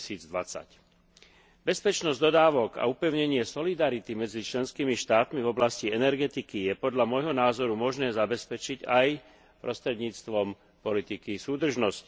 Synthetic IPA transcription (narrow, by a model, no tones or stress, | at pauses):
siːd͡zd̪ʋat͡sa̰c | bɛspɛt͡ʃnɔzɟd̪ɔd̪aːʋɔɡa̰upɛʊɲɛɲɪɛsɔlid̪aɾit̪imɛd͡zit͡ʃlɛnskiːmiʃt̪aːt̪mivɔblasciɛnɛɾɡɛt̪ikijɛpɔd̪ʎamɔjɦɔnaːzɔɾumɔʒnɛːzabɛspɛt͡ʃicaj | pɾɔst̪ɾɛd̪ɲiːt͡st̪ʋɔm | pɔlit̪ikisuːd̪r̩ʒnɔsc